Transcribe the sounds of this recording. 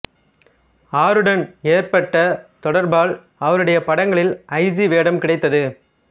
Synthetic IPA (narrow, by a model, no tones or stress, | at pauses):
aːɾɯɽɐneːɾpɐʈːɐt̪ɔɽɐɾbaːɭ | ɐʋɐɾɯɽɐjɐpɐɽɐŋɡɐɭɪlʔɐɪsiʋeːɽɐmkɪɽɐɪt̪ːɐðɯ